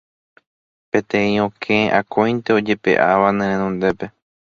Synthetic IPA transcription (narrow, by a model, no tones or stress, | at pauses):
pẽ̞t̪ẽĩõkʰẽʔakʰõjnt̪eod͡ʒe̞pe̞̰ʔaʋanẽɾ̃ẽnõnd̪e̞pe̞